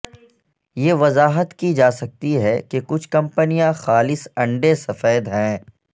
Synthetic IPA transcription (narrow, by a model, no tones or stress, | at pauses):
jeːʋɐzaːɦət̪kid͡ʒaːsɐk̚t̪iɦɛkekʊt͡ʃʰkɐ̃mpənijãxaːlɪsɐ̃ɳɖesɐfɛːd̪ɦɛ̃ː